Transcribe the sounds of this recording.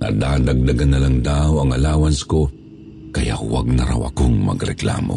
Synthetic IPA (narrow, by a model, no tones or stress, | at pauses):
nɐ̰d̪aːd̪aɡ̚d̪aɡanːɐlaŋd̪aːoɐŋɐlaːwɐnsko | kɐja̰waɡ̚nɐɾa̰wɐ̰koŋmɐ̰ɡɾɛkla̰ːmo̰